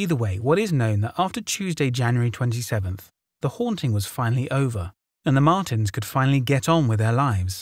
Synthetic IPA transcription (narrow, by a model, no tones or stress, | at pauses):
iðə˞weɪwʌɾɨznõʊ̃nðəɾæftə˞t͡ʃʰʉzdeɪd͡ʒæ̃njə˞itʰw̥ɛ̃ntisɛvə̃nθ | ðəhɔ̃ntʰɪ̃ŋwʌz̥fãɪ̃nl̩ˠiʔoʊvə˞ | ɨ̃nðəmɑɹɾɨ̃nz̥kʰɨd̥fãɪ̃nl̩ˠiɡɛɾn̩wɨðə˞laɪvz̥